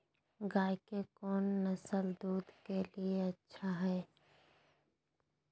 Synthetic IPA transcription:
ɡaːkekɔːnːɐsəld̪uːd̪kelieɐtːʃʰaɦɛː

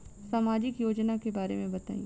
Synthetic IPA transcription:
saːmaːd͡ʒɪkjoːd͡ʒnakebaːɾḛmẽbɐt̪a̰ːḭ̃

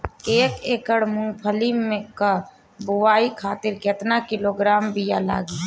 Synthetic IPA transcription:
eːkeːkəɽmʊ̃ŋɡpʰəlimẽka | bʊwaːikʰaːt̪ɪɾket̪nakɪloːɡɾaːmbijala̰ːɡi

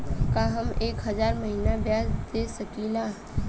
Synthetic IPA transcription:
kaɦɐmeːkɦɐzaːɾmɐɦiːnabjaːsd̪eːsɐkilaː

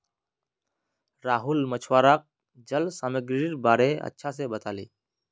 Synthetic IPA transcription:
ɾaːɦulmət͡ʃʰwaːɾak̚ | d͡ʒəlsaməɡɾiɾbaːɾeə̰tːʃʰas̬ebət̪aːlḭː

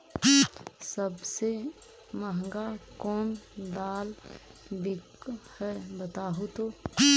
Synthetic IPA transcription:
səbse | məɦŋɡakɔːnd̪aːlbikhɛbət̪aːɦot̪oː

